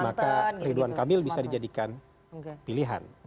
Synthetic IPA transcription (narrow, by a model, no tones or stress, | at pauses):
makariduankamɪlbisadid͡ʒadikan | piliɦa̰n